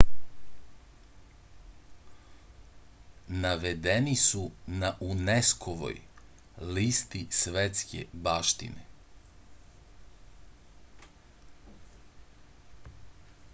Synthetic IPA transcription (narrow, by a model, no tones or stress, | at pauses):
naʋe̞d̪enisunaʔuneskʰoʋo̰j | liːst̪isʋet̪skʰe̞̰baːʃt̪ḭnḛ